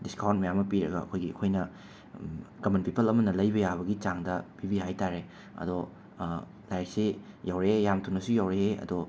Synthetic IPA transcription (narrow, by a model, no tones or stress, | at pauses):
diskawnt̚mɐjamːɐpiɾɐ̰ɡɐ̰ɐ̰kʰojɡiɐ̰kʰojnɐ | kɐmɐnpipʰɐlɐmɐnɐlɐjbɐjaβɐɡit͡ʃaŋdɐpibihajtaɾe | ɐ̰do | lajek̚sijawɾejamtʰunɐsujawɾeɦeɐ̰do